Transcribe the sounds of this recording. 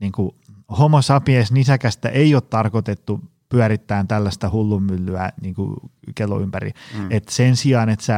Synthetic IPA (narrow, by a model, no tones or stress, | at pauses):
niːŋku | homosɑpiesnisækæst̪æ̰ʔeioːt̪t̪ɑrkot̪et̪ːu | pyæɾit̪ːæːnt̪ælːæst̪æhulːumːylːyæniːŋkṵkelːo̰ympærḭet̪sensiɑːnet̪sæ